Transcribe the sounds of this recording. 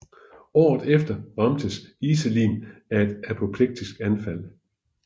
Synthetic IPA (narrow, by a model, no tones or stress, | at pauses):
ɒ̰ːð̩ˠefd̥ɐʁɑ̈md̥əsisəlḭːnæe̝d̥æpʰo̝pʰleɡ̥̚d̥isɡ̥ænfæl̰